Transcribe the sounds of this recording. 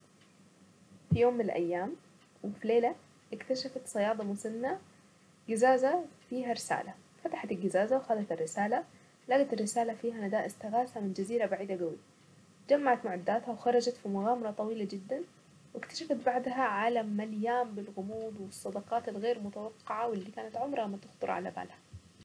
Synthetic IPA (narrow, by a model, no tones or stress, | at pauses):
fijoːmːɪnɪlʔa̰jːaːm | wɪfileːla | ʔɪkt̪aʃafat̪sˤɑjɑːd̪ˤɑmʊsanːa | ɡɪzaːzafiːɦaɾɪsa̰ːlafat̪ḁħat̪ɪlɡɪzaːzawxalat̪ɪrːɪsaːla | laɡat̪ɪrːɪsaːlafiːɦanad̪aːʔɪzt̪aɣaːsamɪnd͡ʒaziːɾabaʕiːd̪aɡawḭːa | d͡ʒamːaʕat̪mʊʕad̪ːaːt̪hawxɑɾˤɑd͡ʒat̪fimʊɣaːmɑɾˤɑt̪ˤɑwiːlad͡ʒɪd̪ːan | wɪkt̪ḁʃafat̪̚baʕd̪ɦaʕalamaljaːmbɪlɣʊmuːd̪wɨsˤːɑd̪ɑqɑːt̪alɣeːɾmʊt̪awɑqːɪʕawɪlːiːkaːnat̪ʕʊmɾˤɑmːat̪ʊxt̪ˤʊɾˤʕa̰la̰ba̰ːlhḁ